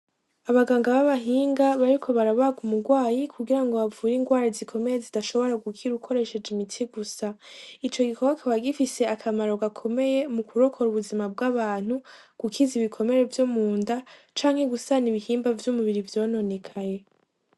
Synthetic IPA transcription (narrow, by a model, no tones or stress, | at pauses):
aβaɡaːŋɡaβaβaɦiːŋɡaβaɾikʰo̞βaɾaβaɡumuɡwaːjikʰuɡiɾaŋɡo̞βavuːjiːŋɡwaːɾizikʰo̞me̞je̞zidaʃo̞βo̞ɾaɡukʰiɾukʰo̞ɾe̞ʃe̞d͡ʒimitʰiɡusait͡ʃo̞ɡikʰo̞ɡakʰaβaɡifise̞akʰamaɾo̞ɡakʰo̞me̞je̞mukʰuɾo̞kʰo̞ɾuβuzimab̚ɡaβaːn̥hu | ɡ̥ukʰiziβikʰo̞me̞ɾe̞vjomuːndat͡ʃaːŋhe̞ɡusaniβihiːmbavjumuβiɾivjo̞ːno̞nekʰaje̞